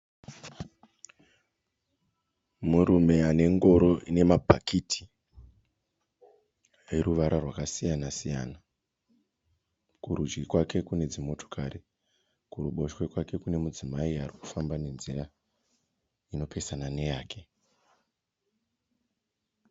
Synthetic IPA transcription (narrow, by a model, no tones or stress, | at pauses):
muɾume̞ane̞ŋɡo̞ɾo̞ʔine̞mabʱakitʰi̥ | eɾuʋaɾarwakasijanasija̰ːna | kuɾud͡ʒɡikwake̞kune̞d͡zimo̞to̥kʰaɾi | kuruɓo̞ʃwe̞kwake̞kune̞mud͡zimaiariku̥fambane̞nzira | ino̞pʰe̞sanane̞jaːke̞